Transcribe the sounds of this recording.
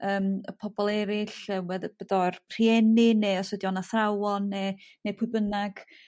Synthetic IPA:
əːməpʰɔbɔlˠɛɾɪɬəwɛðb̥ədɔrpʰr̥iɛnineɔsədjɔnaθrawɔnːenepʰʊbənaɡ̥

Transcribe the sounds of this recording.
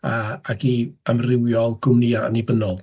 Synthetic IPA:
aaɡiəmrɪwjɔlˠɡ̥ʊmniːaə̰nibənɔlˠ

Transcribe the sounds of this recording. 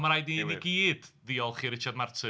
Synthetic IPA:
maɾajdniniɡiːd̥ðiɔlˠχiːɾɪt͡ʃʰadmartʰɨ

